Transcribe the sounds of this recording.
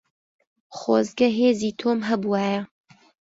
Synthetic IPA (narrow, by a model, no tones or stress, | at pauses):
χoːzɡɐɦeːziːt̪ʰoːmɦɐbuwaːjɐ